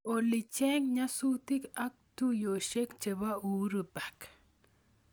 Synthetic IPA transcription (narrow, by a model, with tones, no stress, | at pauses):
o˨lɪ˨t͡ʃe˦ŋɲa˦sut̪ɪ˦ka˦k̚t̪u˦jo˨ʃe˦kt͡ʃe˨βa˦u˨ɾuba˨k